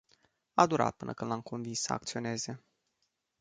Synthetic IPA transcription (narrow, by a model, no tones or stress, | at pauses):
ad̪uɾa̰t̪̚pɨnʔəkɨnamkʰo̞nvinsːəa̰k̚t̪sio̞ne̞ze̞